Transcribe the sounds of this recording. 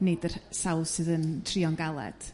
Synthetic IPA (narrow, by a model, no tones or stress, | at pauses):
nedərsawðsɨðəntʰriɔnɡalˠɛ̰d̥